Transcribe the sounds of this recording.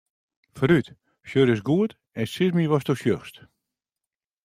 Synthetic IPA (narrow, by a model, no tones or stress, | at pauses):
fryt | ʃøɾɪs̬ɡuət | ɛnsɪzmiʋɔstoʃjøxst